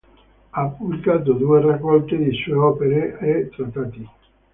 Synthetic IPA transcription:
apːublikaːt̪od̪uerakːɔlt̪ed̪isueɔpeɾeet̪ɾat̪ːaːt̪i

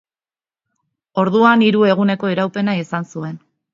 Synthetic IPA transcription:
o̞ɾðuaniɾue̞ɣ̞une̞ko̞iɾawpe̞naisansue̞n

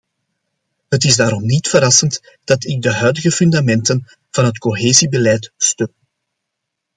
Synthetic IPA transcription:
ɦətɪzdaːɾɔmnitfəɾɑsənt | d̥ɑtɪɡ̚dəɦœɥdəɣəfʏndamɛntən | v̥ɑnɦətkoɦeːzibəlɛjtstø

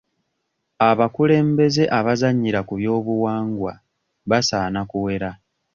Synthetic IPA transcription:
aβakule̞ːmbe̞ze̞ʔaβazaɲːiɾakuβjo̞ːβuwaːŋɡwa | βasaːnakuwe̞ɾa

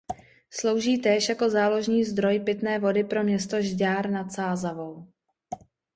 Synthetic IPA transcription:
slo̞wʒiːt̪ɛːʃjako̞zaːlo̞ʒɲiːzd̪ɾo̞jpɪt̪nɛːvo̞dɪpɾo̞mɲɛst̪o̞ʒɟaːɾnat̪saːzavo̞w

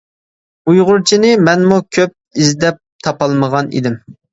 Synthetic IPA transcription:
ujʁʊɾt͡ʃʰinɪmɛnmukʲʰøp̚izd̪ɛp̚t̪ʰɑpɑlˠməʁɑnḭd̪ɪm

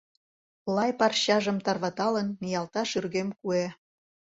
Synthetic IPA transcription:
lˠɑjpɑrɕɑʒə̆mt̪ɑrβɑt̪ɑlənːijɑlt̪ɑʃyrɣemkue

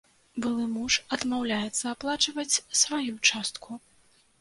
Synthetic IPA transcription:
bɨlˠɨmuʂɐd̪mawlʲajɛt̪sːɐːplˠat͡ʂɐvɐt͡sʲsvajut͡ʂast̪kʰu

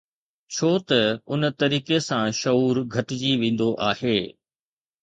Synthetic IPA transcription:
t͡ɕʰoːt̪ɐʊnt̪ɐɾiːkesãʃɐuːɾɡʱɐʈɪd͡ʑiʋẽːn̆d̪oʔaːheː

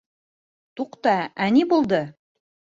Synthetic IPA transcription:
t̪uqt̪ɑænibulˠd̪ɤ

